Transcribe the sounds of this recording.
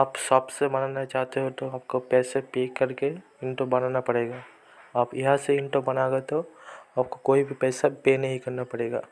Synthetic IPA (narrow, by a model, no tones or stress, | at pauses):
aːpsɔːpsebɐnaːnat͡ʃaːɦt̪eɦot̪oaːp̚kopɛːsepeːkːɐɾke | ɪ̃ɳʈobɐnaːnapɐɽeːɡaː | aːpɪɦãseɪ̃ɳʈobɐnaːɡat̪oaːp̚kokoːibʱipɛːsapeːnɐɦĩkɐɾnapɐɽeːɡa̰ː